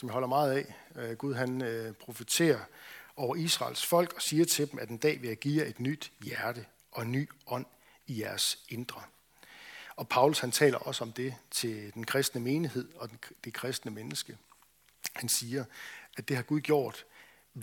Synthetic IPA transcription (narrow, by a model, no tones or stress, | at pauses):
sɒ̽mjɑhɒ̽l̰ɐmɑ̈ːð̞̩ˠɛ̰ːɡ̥uð̞ˠɦænpʰʁo̝fət͡sʰe̝̰ːɐʔɒʊɐisʁɑ̰̈ːlsfɒ̽l̰ɡ̥ɒ̽siːɐt͡sʰe̝d̥emʔæd̥e̝nd̥ɛ̰ːʋe̝æɡ̥ḭːɐe̝d̥nyd̥jæɐɾ̥ə | ʔɒ̽e̝nːy̰ːɒ̽n̰ | ijæɐse̝nd̥ʁɐ | ɒ̽pʰɑ̈ʊlushænt͡sʰɛ̰ːlɐʔɒ̽səɒ̽md̥e̝t͡sʰe̝d̥enkʰʁɛsd̥nəme̝ːnihe̝ð̞̰ˠɒ̽d̥e̝kʰʁɛsd̥nəmenəsɡ̥ə | hænsiːɐʔæd̥e̝ɦhɑ̈ɡ̥uð̞ˠɡ̥jo̝̰ːd̥